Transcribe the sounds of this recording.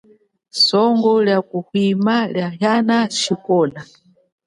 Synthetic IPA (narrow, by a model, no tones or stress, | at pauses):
sɔŋɡɔljakuhwimaljaɦjanaʃikɔːna